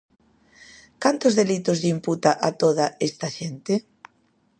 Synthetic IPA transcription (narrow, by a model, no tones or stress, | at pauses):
kant̪ʊzðelit̪ʊzðimput̪aʔat̪oðaest̪aʃent̪ɪ